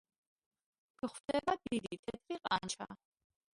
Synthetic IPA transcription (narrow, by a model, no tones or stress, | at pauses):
ɡ̥χwd̪ɛbad̪id̪it̪ʰɛt̪ʰɾiqʼa̰nt͡ʃʰa̰